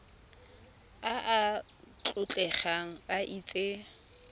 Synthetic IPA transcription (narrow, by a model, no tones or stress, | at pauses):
aʔa | t͡ɬʼʊt͡ɬʼɛχaŋ̩baʔiːt͡sʼe